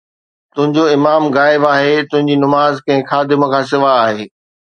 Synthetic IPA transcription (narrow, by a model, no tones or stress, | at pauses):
t̪ʊ̃ɦɪ̃ɲd͡ʑoɪmaːmɣaːɪbaːɦet̪ʊ̃ɦɪ̃ɲd͡ʑinɐmaːzkɐ̃ɦɪ̃xʰaːd̪ɪməkʰãːs̬ɪʋaːɦeː